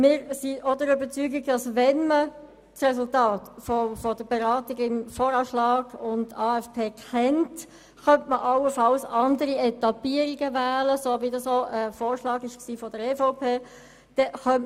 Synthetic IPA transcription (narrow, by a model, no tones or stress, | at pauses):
mɪːɾsiodəɾybət͡syːɡiɡd̥ɑsʋɛnmə | tsʁɛsʊltɑːtfofɔd̥əbeɾɑːtiɡɪmfɔːɾɑːʃlɑːɡ̥ʊntɑːɛfpʰeːkʰɛnt | χœmtməʔɑlːəfɑlsɑndəɾiɛtɑpiəɾiɡəvæːləsovidɑsoʔəfoːɾʃlɑːɡɪʃksiːfɔd̥əɾefoʊpʰeː | d̥ɛχœm